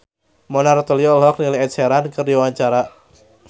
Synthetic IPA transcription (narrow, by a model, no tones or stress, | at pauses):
mɔnart̪əliɔlɦɔk̚niliɛt̪̚sɛɾankɨrdiwaɲt͡ʃaɾa